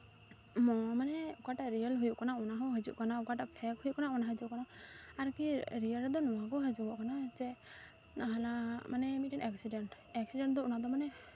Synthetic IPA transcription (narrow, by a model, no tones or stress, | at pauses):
mɔmanɛukaʈaʔɾijəlɦujuʔkanaɔnaɦɔɦəd͡ʒṵʔkanaukaʈaʔpʰɛkhujuʔkanaɔnaɦəd͡ʒukanaaɾkiɾiəlɾd̪ɔnɔwaɡɔɦəd͡ʒubɔʔkanad͡ʒɛ | naɦalamanɛmiʈiŋɛksiɖɛɳʈ | ɛksiɖɛɳʈ̚d̪ɔunad̪ɔmanɛ